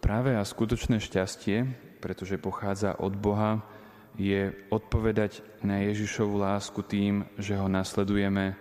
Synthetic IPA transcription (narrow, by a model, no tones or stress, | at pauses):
pɾaːʋɛaskut̪ɔt͡ʃnɛːʃcascɪɛ | pɾɛt̪ɔʒɛpɔxaːd͡za̰ʔɔ̰d̪bɔɦa | jɛɔt̪̚pɔʋɛd̪aɟ | najɛʒiʃɔʋulaːskut̪iːmʒɛɦɔnaslɛd̪ujɛmɛ